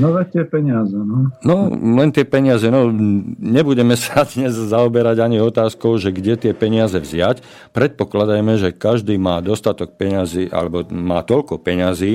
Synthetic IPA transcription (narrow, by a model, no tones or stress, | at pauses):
nɔʋɛt̪ɪɛpɛɲɪazɛnɔnɔlɛnt̪ɪɛpɛɲɪazɛnɔɲɛbuɟɛmɛsad̪ɲɛzzaɔbɛɾaɟaɲiɔt̪aːskɔʊʒɛɡɟɛt̪ɪɛpɛɲɪazɛvzɪac | pɾɛt̪̚pɔklad̪ajmɛʒɛkaʒd̪iːmaːd̪ɔst̪at̪ɔk̚pɛɲaziːʔa̰lɛbɔmaːt̪ɔʎkɔpɛɲaziː